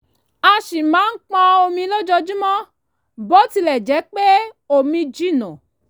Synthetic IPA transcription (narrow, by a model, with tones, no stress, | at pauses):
a˧ʃi˨mãː˨˦n̩˦k͡pã˧o˧mĩ˧lo˦d͡ʒɔ˧d͡ʒĩ˦mɔ̃˦ | bɔ˨˦ti˧lɛ˨d͡ʒɛ˨˦k͡pe˦ | o˨mĩ˧d͡ʒi˦˨nɔ̃˨